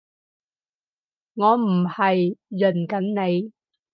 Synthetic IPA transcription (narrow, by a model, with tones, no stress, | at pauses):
ŋɔː˨˧m̩˨˩hɐ˨jːɵ˨˩nkɐ˨˥nne˨˧j